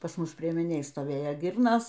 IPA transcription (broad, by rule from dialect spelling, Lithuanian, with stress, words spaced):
pɐs ˈmʊs pʲrʲiɛmʲɪˈnʲeːj stoːˈʋʲeːjoː ˈɡʲɪrnoːs